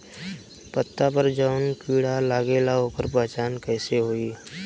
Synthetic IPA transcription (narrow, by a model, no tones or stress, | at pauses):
pət̪ːapəɾd͡ʒəʊnkiːɽalaːɡelaɦokəɾpɛɦt͡ʃaːnkɛːseɦoːiː